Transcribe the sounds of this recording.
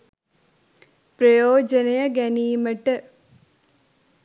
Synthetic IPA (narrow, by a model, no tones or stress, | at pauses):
pɾɐjoːd͡ʒɐnɐjɐɡɛniːməʈə